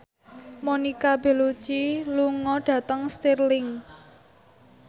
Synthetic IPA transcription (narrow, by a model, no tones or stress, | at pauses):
monikab̥e̤lu̥t͡ʃiluŋɔɖ̥ä̤t̪əŋst̪irlɪŋ